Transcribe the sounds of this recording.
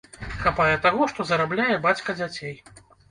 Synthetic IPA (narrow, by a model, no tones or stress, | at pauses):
xapajɛt̪aɣɔʂt̪ɔzɐɾablʲajɛbat͡sʲkɐd͡zʲat͡sʲej